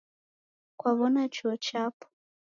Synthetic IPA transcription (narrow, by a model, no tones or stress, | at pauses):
kwaβɔnat͡ʃuɔt͡ʃapɔ̥